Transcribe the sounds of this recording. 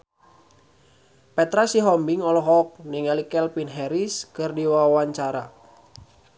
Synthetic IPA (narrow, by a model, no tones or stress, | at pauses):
pɛt̪ɾasiɦɔmbɪŋɔlɔɦɔk̚nɪŋɛlikɛlpinɦɛɾiskərdiwawawaɲt͡ʃaɾa